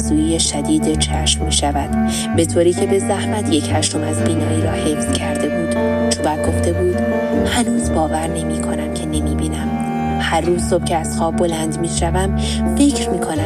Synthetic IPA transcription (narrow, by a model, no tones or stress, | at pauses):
zuːijeʃæd̪iːd̪et͡ʃʰæʃmːiːʃævæd̪̥ | be̞t̪ʰoːɾiːcʰe̞be̞zæhmæt̪ʰje̞chæʃt̪o̞mæzbiːnɒːɾiːɾɒ̰ːhe̞fz̥cʰæɾd̪e̞buːd̪̥t͡ʃʰobæɡo̞ft̪e̞buːd̪̥ | hænuːzbɒːvæɾne̞miːkʰo̞næmcʰe̞ne̞miːbiːnæm | hærːuːzso̞b̥cʰeæz̥xɒːb̚ːo̞lænd̪miːʃævæm | fecʰɾmiːkʰo̞næ